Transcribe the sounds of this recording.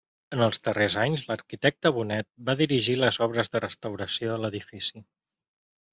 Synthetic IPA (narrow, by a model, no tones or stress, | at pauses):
ənəlˠzðərezaɲzləɾkit̪ɛk̚t̪əβunɛt̪̚baðiɾiʒiləzɔβɾəzðərəst̪əwɾəsioələðifisi